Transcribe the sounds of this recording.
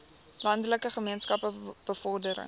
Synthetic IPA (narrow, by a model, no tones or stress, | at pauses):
lɐndələkəχəmiənskɐpəb̥əfɔrdəɾə̰